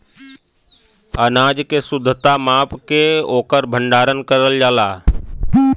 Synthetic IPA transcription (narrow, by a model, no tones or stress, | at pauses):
ənaːd͡ʒkesʊd̪ʱːət̪amaːpkeoːkəɾbʱə̃ɳɖaːɾənkəɾəld͡ʒaːlaː